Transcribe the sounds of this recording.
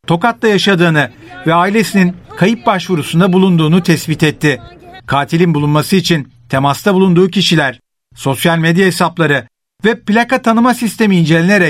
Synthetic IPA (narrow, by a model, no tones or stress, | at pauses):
t̪ʰo̞kat̪lˠajaʃad̪ɯːnɯvɛaːilʲe̞sininkʰajip̚baʃvuɾusund̪abulˠund̪uːnut̪ʰɛsbit̪ɛt̪ʰːɪkʰaːt̪ʰilʲinbulˠunmasɯit͡ʃʰin | t̪ʰemast̪ʰabulˠund̪uːcʰiʃilʲæɾ̥ | so̞sjalʲmed̪jaesaplˠaɾɯ | vɛplʲakat̪ʰanɯmasist̪ʰe̞miːnd͡ʒe̞lʲene̞ɾɛ